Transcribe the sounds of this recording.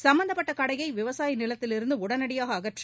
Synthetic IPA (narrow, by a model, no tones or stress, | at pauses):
sɐmbɐnd̪ɐpːɐʈːɐkɐɽɐjɐɪʋɪʋɐsaːjinɪlɐt̪ːɪlɪɾɯnd̪ɯʊɽɐnɐɽɪjaːɣɐːɣɐʈri